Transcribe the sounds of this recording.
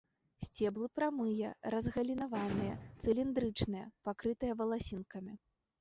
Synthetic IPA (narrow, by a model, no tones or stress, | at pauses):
sʲt͡sʲɛblˠɨpɾamɨjɐɾɐzɣɐlʲinavanɨjɐt̪sɨlʲind̪ɾɨt͡ʂnɨjɐ̰pakɾɨt̪ɨjɐvɐlˠasʲinkɐmʲi